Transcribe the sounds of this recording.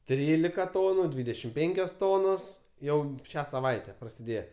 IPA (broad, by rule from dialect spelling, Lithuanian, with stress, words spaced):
ˈtʲrʲiːlʲɪkɐ ˈtoːnʊ ˈdʲʋʲiːdʲɛʃʲɪm ˈpʲɛŋʲkʲoːs toːnoːs ˈjɛʊ ˈʃʲæː sɐˈʋɐɪtʲɛ prɐsʲɪˈdʲeːjɛ